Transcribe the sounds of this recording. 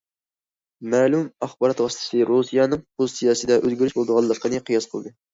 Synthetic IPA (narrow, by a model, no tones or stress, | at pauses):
mæːlumɑχbɑɾɑt̪ʁɑst̪ʰɨ̥sɨɾusijɑnɨŋbusijɑːsɨd̪ɛʔøzɡʲyɾyʃbolˠd̪əʁɑlˠːəqʰːənɨqʰɨjɑsqʰəlˠd̪ɨ